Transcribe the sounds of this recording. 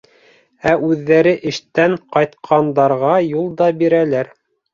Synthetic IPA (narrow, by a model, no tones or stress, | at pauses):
æʔʉðːæɾɘʔɘ̆ʃt̪æɴqɑjt̪qʰɑnd̪ɑɾʁɑjulˠd̪ɑbiɾælæɾ